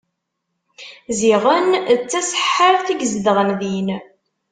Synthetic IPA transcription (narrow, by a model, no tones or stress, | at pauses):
ziʁənt͡sːæsə̥ħːəɾθiɡzðəʁənðin